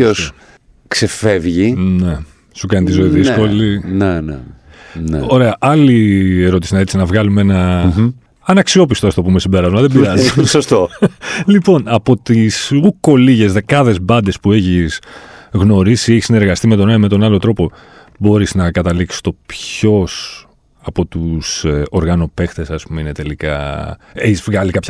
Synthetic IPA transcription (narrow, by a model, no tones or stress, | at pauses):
os | ksefevʝine | sukɐnit̪izoiðisko̞linenḛnḛo̞ɾe̞ɐʔɐlie̞ɾo̞t̪isinɐet̪isinɐvɣɐlumeenɐ | ɐnɐksio̞pist̪oɐft̪o̞pumesimbe̞ɾɐzmɐðebiɾɾɐzisost̪olipo̞nɐpo̞t̪isuko̞liʝe̞zðe̞kɐðe̞zbɐnd̪e̞spueçisɣno̞ɾisieçisine̞ɾɣɐst̪ime̞t̪o̞nɐmet̪o̞nɐlo̞t̪ɾo̞po̞ | bo̞ɾiznɐkɐt̪ɐliksi̥st̪o̞pço̞s | ɐpo̞t̪uso̞ɾɣɐno̞pe̞xt̪e̞sɐspumeinet̪e̞likɐ̰eçizvɣɐlikɐpçɐ